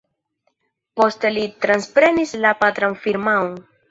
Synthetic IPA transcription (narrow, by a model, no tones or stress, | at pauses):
po̞ste̞litɾanspɾe̞nislapat̪ɾanfiɾmaon